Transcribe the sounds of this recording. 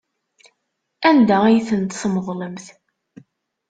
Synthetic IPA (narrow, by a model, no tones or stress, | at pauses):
ænd̪ææjθənt̪sməðˤləmθ